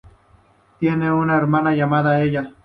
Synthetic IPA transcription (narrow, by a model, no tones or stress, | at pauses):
t̪jeneunaeɾmanajamaðaeja